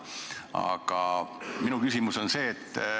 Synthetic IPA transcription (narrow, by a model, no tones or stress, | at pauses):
ɑ̰ɡ̥ɑminukysimuso̞nse̞ːt̪ː